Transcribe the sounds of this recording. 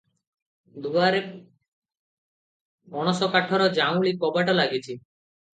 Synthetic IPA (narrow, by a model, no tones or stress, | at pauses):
d̪ubaɾe | ɔɽ̃ɔsɔkaʈʰɔɾɔd͡ʒaw̃ɭikɔbaʈɔlaɡit͡ɕʰi